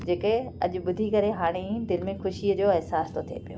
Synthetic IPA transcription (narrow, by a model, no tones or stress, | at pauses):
d͡ʑeːkəɐʄʊ̆ɓʊd̪ʱikɐɾeɦaːɽ̃ed̪ɪlmẽxʊʃiəd͡ʑoːɛɦsaːst̪ot̪ʰiḛpijo̰ː